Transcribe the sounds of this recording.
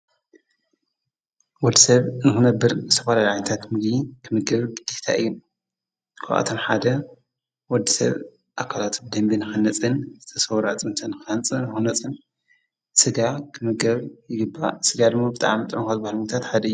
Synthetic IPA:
wɔd̪ːisɐβnɨxɨnɐbːɨɾsʰɐfalalʕajnɐt̪ʰat̪mɨɡdikʰɨmɨɡɐβɡɨd̪̥iht̪ʰa̰ʔɨjːu | kʰa̰ʔa̰t̪ʰomħad̪ɐ | wɔd̪ːisɐ̰β | ʔakʰalat̪bɨd̪ɐmbinɨxɨnɐt͡sʼɨnzɨt̪ʰɐsɐwɾat͡sʼɨnt̪ʰanɨxɨant͡sʼɨnɨxɨnɐt͡sʼɨn | sɨɡakʰɨmɨɡɐβjɪɡɨbːa̰sɨɡad̪ɨmːabɨt̪ʼa̰mɨt̪ʼɐnxazbahalŋt̪ʰat̪ħad̪ɐɨjːu

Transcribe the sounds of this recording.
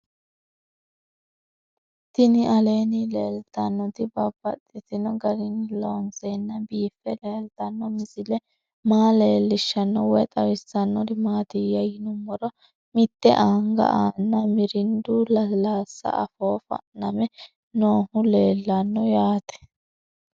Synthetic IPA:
t̪ɪnɪʔɐleːnɪleːlt̪ɐnːɔt̪ɪbɐbːɐt̪ʼːɪt̪ɪnɔɡɐɾɪnloːnsɛnːɐbiːfːɛleːlt̪ɐnːɔmɪsɪlɛ | maːle̞ːlːɪʃːɐnːɔwɔt̪ʼɐwɪsːɐnːɔdɪmaːt̪ɪjɐjɪnʊmːɔɾɔ | mɪt̪ːɛ̰ʔɐŋɡɐ̰ʔaːnːɐmɪɾɪnd̪ulɐlaːsːɐ̰ʔɐ̰foːfɐ̰nɐmɛ | noːhʊle̞ːlːɐnːɔjaːt̪ɛ̥

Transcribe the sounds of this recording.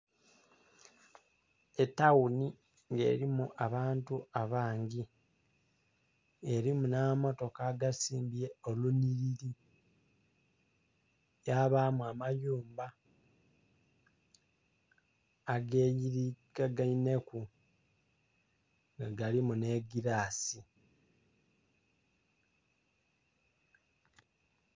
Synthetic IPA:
etːawuni | ŋɡe̞̰ːɾimuʔaβaːntuaβaːŋɡi | eɾimunamoto̞kaɡasiːmbie̞oluniɾiɾi | jaβamuamajuːmba | aɡejiɾiɡaɡaine̞ku | ŋɡaɡalimune̞ɡiɾaːsi

